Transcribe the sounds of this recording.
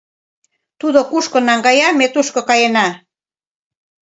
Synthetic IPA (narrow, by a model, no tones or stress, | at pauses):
t̪uðokuʃkonɑŋɡɑjɑmet̪uʃkokɑjenɑ